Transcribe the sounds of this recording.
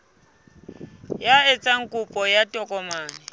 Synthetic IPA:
jaet͡sʼaŋ̩kʼupʼɔjatʼɔkʼɔmaːnɛ

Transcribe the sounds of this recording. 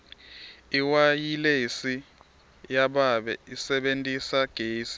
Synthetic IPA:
iwajilesi | jaɓaɓɛisɛɓentʼisaɡ̥ʱeːsi̥

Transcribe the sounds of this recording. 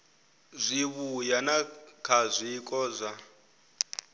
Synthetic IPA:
zʷiβujanakʰazʷikʼɔzʷa

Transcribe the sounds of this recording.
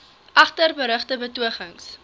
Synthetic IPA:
ʔɐχtərbəɾəχtəbətuəχəŋs

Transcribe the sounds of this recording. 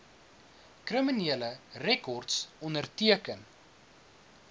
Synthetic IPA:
krəminiələrɛkɔrtsɔndərtiəkən

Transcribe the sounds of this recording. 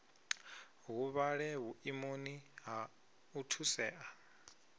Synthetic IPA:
ɦuβaɺɛβuʔimoniɦa | utʰusɛːʔa

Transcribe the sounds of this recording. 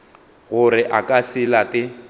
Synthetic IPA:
ɣʊrɪʔakʼasɪlakɪ

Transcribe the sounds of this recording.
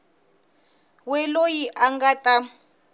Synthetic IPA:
wɛlojiʔaŋɡatʼa

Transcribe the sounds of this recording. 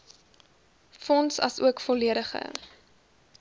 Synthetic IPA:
fɔnsɐ̰suəkfɔliəɾəχə̰

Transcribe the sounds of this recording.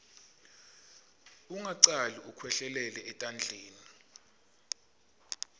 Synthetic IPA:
uŋaǀaliukʰwɛɬɛlɛlɛːtʼand͡ɮʱeːni

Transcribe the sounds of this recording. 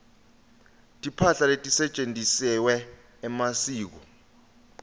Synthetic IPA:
tʼipʰaɬaletʼisɛt͡ʃʼendʱʼisɛwɛː | masiːk̬ɔ

